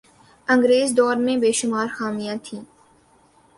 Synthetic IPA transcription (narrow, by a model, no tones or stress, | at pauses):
ɐ̃ŋɡɾeːzd̪ɔːɾmẽbeːʃʊmaːɾxaːmijãt̪ʰĩː